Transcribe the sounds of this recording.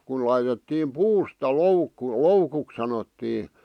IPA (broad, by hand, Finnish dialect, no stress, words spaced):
kun lɑitetːiːm puːstɑ loukːu loukuk sɑnotːiː